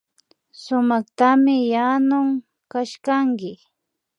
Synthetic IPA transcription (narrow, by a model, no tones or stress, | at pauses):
sʊmɑχt̪amɪjanʊŋ | kaʃkaŋkɪ